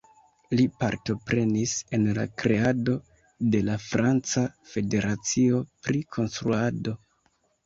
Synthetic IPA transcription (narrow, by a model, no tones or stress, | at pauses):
lipaɾto̞pɾe̞nise̞nla̰kɾe̞ado̞ | de̞lafɾant͡safe̞de̞ɾat͡sio̞pɾikʰo̞nstɾuado̞